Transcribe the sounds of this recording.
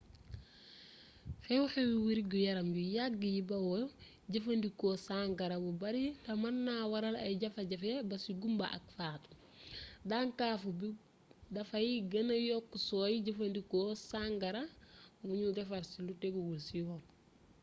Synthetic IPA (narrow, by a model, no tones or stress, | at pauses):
fewuhewiwiɾiɡujɐɾamjujaɡːijibɐwo | ɟɐfɐndikosaŋɡɐɾabubɐɾitɐmanːawɐɾalɐ̰jɟɐfɐɟɐfebɐsiɡumba̰ʔɐ̰k̚faːtu̥ | daŋkaːfubi | dɐfajiɡɐnɐjokːusoːjiɟɐfɐndikosaŋɡɐɾawuɲudefaɾsiluteɡuwulsiwo